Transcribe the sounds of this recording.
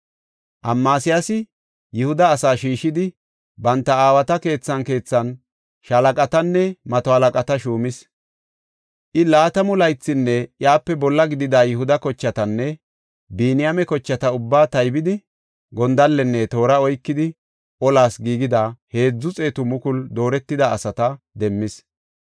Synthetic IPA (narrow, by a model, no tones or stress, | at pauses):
ʔɐmːaːsɪjasɪ | jɛhʊd̪ɐːsaːʃiːʃɪd̪ɪ | bɐnt̪ːɐaːwɐt̪ɐke̞ːt͡sːɐnke̞ːt͡sːɐn | ʃɐlɐkʼɐt̪ɐnːɛmɐt̪ɔhɐlɐkʼɐt̪ɐʃuːmɪs | ʔɪlaːt̪ɐmʊlɐjt͡sːɪnːɛjaːpːɛbɔlːɐɡɪd̪ɪd̪aːjɛhʊd̪ɐkɔt͡ʃːɐt̪ɐnːɛ | biːnɪjamɛkɔt͡ʃːɐt̪ɐʊbːaːt̪ɐjbɪd̪ɪ | ɡɔnd̪ɐlːɛnːɛt̪o̞ːɾɐɔjkːɪd̪ɪ | ʔɔlaːsɡiːɡɪd̪ɐhe̞ːd͡zːʊt͡sʼe̞ːt̪ʊmʊkʊld̪o̞ːɾɛt̪ːɪd̪ɐːsɐt̪ɐ | d̪ɛmːɪs